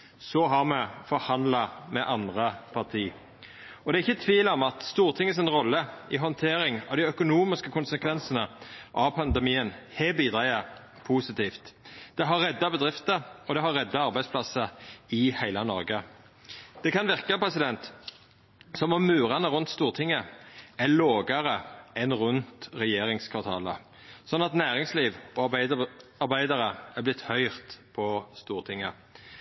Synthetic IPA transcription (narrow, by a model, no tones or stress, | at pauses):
sɔɦɑʁmɛfɔʁhɑnd̪lɑmɛʔɑnd̪ʁəpʰɑʁt̪ʰiː | ɔd̪ɛæɪçːət̪ʰʋiːlɔmɑt̪st̪uːʁt̪ʰɪŋːəsɛnʁɔlːəɪɦɔnt̪ʰeːɾɪŋɑ̰ʋd̪ɪœkʊnuːmɪskəkʊnsəkʰʋɛnsənəʔɑʋpʰɑnd̪ɛmiːənhel̚biːd̪ʁæɪə | pʰuːsɪt̪iːft̪d̪̥ɛɦɑʁːɛd̪ːɑbəd̪ʁɪft̪əɔd̪ɛɦɑʁɛd̪ːɑɑʁbæɪspʰlɑsəɪhæɪlənɔɾɡə | d̪̥ɛkɑnʋɪʁkəpʰʁɛsɪd̪ɛnt̪ | sɔmɔmːʉːʁɑnəʁʉnt̪st̪uːʁt̪ʰɪŋːəæloːɡɑʁəʔɛnʁʉnt̪ʁɛjeːɾɪŋskʰʋɑʁt̪ʰɑ̰ːlə̰ | sɔnːɑt̪næːʁɪŋsliːʋɔ | ɑbæɪd̪ɑʁəæblɪt̪hœʏʁt̪pʰɔst̪uːʁt̪ʰɪŋːə